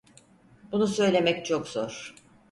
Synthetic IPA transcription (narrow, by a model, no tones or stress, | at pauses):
bunusø̞jlʲe̞mɛct͡ʃʰokzoɾ̥